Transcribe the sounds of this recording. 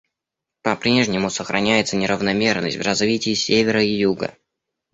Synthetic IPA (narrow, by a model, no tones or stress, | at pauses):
pɐpɾʲe̞ʐnʲɪmʊsəxɾʔɐnʲæjɪt̪sənʲɪɾəvnɐmʲe̞rnə̰sʲtʲvrɐzvʲitʲɪːsʲevʲɪɾəijuɡə̰